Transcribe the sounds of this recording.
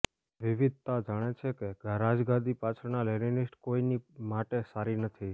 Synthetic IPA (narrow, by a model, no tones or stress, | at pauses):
ʋiʋid̪̚ʱt̪ad͡ʒaɽ̃et͡ʃʰekeɡaɾad͡ʒɡãd̪ipat͡ʃʰəɾnalɛninɪsʈkoinimaʈesaɾinət̪ʰi